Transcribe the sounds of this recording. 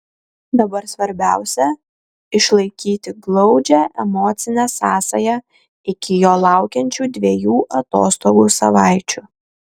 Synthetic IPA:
d̪ɐbɐɾsʋɐɾʲbʲæˑʊsʲɛ | ɪʃlˠɐɪkʲiːt̪ʲɪɡlˠɒʊd͡ʒʲæʔɛmɔːt̪sʲɪnʲæːsɑːsɐjɛ | ɪkʲɪjoːlˠɑˑʊkʲɛnʲt͡ʃʲuːd̪ʲʋʲejuːʔɐt̪o̰ːst̪oːɡuːsɐʋɑˑɪt͡ʃʲuː

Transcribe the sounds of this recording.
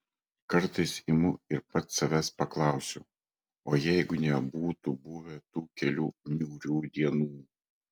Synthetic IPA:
kɐɾt̪ɐɪsɪmʊɪɾpɐt̪sɐʋʲæspɐklˠɑˑʊsʲo | oːjɛɪɡʊnʲɛbuːt̪ʊbʊʋʲet̪uːkʲɛlʲuːnʲuːɾʲuːd̪ʲiɛnuː

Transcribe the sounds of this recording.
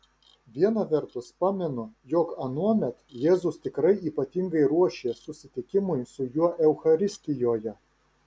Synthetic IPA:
ʋʲiɛnɐʋʲɛɾt̪ʊspɑːmʲɛnʊjoːkɐnuɔmʲɛt̪jeːzʊst̪ʲɪkɾɐɪiːpɐt̪ʲɪŋɡɐɪɾuɔʃʲeːsʊsʲɪt̪ʲɪkʲɪmʊjsʊjuɔʔɛʊxɐɾʲɪsʲt̪ʲɪjoːjɛ

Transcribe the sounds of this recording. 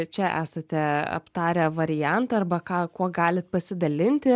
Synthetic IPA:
t͡ʃʲɛʔæ̰ːsɐt̪ʲɛɐ̰pt̪ɑːɾʲɛʋɐɾʲɪjænt̪ɐɐrbɐkɑːkuɔɡɑːlʲɪt̪̚pɐsʲɪd̪ɐlʲɪnʲt̪ʲɪ

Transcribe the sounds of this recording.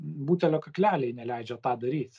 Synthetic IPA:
buːt̪ʲɛlʲoːkɐklʲæːlʲɛɪnʲɛlʲɛɪd͡ʒʲɛt̪ɑːd̪ɐɾʲiːt̪ʲ

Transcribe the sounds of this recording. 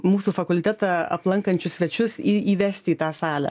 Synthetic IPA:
muːsuːfɐkʊlʲt̪ʲæːt̪ɑɐ̰plˠɐŋkɐnʲt͡ʃʲʊsʲʋʲɛt͡ʃʲʊsiiːʋʲæːsʲt̪ʲɪiːt̪ɑːsɑːlʲɛ̰

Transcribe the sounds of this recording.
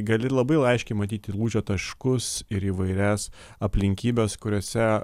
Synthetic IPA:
ɡɐlʲɪlˠɐbɐɪlˠɐɪʃʲkʲɛɪmɐt̪ʲiːt̪ʲɪlˠuːʒʲoːt̪ɐʃkʊsɪɾiːʋɐɪɾʲæːs | ɐpʲlʲɪŋʲkʲiːbʲeːskʊɾʲoːsʲɛ

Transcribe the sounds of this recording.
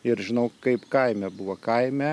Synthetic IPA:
ɪɾʒʲɪnɐʊkɐɪpkɐɪmʲɛbʊʋɐkɐɪmʲɛ

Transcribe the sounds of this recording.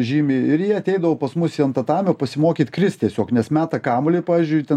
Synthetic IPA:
ʒʲiːmʲeɪɾjiːɐt̪ʲɛɪd̪ɐʋoːpɐsmʊsiɐnt̪ɐt̪ɑːmʲopɐsʲɪmoːkʲiːt̪kɾʲɪst̪ʲiɛsʲoːknʲɛsmʲæːt̪ɐkɑːmolʲeɪpɑːʋʲizʲd͡ʒʲʊɪt̪ʲɛ

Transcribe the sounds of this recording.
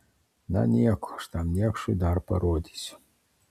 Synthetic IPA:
na̰nʲakɔʂt̪amnʲakʂud̪arpɐɾɔd̪ʲi̥sʲ

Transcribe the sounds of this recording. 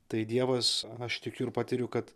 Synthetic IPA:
t̪ɐɪd̪ʲiɛʋɐsɐʃt̪ʲɪkʲʊɪɾpɑːt̪ʲɪɾʲʊkɐt̪

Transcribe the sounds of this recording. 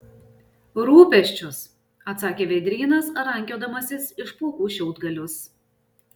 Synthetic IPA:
ɾuːpʲɛʃʲt͡ʃʲʊs | ɐt̪sɑːkʲeːʋʲɛd̪ʲɾʲiːnɐsɾɐŋʲkʲoːd̪ɐmɐsʲɪsɪʃpuːkuːʃʲɛʊd̪ɡɐlʲʊs

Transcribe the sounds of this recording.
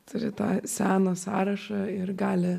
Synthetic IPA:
t̪ʊɾʲɪt̪ɑːsʲæːnɐsɑːɾɐʃɑɪrɡɑːlʲɪ

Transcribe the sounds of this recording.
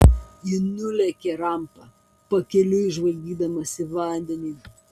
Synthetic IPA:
ɪnʊlʲɛkʲɛɾɐˑmpɐ | pɐkʲɛlʲʊɪʒʋɐlʲɡʲiːd̪ɐmɐsʲɪʋɐˑnʲd̪ʲɛnʲiː

